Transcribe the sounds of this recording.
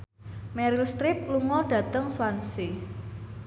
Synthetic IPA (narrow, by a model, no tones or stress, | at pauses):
mɛɾilst̪ɾɪp̚luŋɔɖ̥ä̤t̪əŋswansi